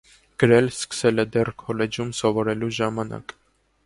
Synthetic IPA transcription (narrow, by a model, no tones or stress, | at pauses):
ɡ̥əɾɛlskə̥sɛlɛd̪ɛrkʰɔlɛd͡ʒumsɔvɔɾɛluʒɑmɑnɑ̰k